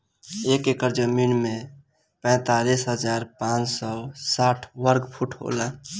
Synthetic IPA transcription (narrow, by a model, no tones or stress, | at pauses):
ekekəɾd͡ʒəminme | pɛ̃ːt̪alisɦəd͡ʒaɾpãt͡ʃsɔsaʈʰʋəɾɡpʰuʈʰɦo̰la